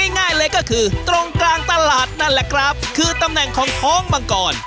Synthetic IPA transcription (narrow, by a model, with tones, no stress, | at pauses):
a˥˩jŋaː˥˩jlɤː˧jkɔː˥˩kʰɯː˧t̪ɾo˧ŋklaː˧ŋt̪a˧laː˨˩t̪̚na˧˩nlɛ˨˩kʰɾa˦˥p̚kʰɯː˧t̪a˧mnɛ˨˩ŋkʰɔː˩˦ŋt̪ʰɔː˦˥˩ŋmaː˧kɔː˨˩n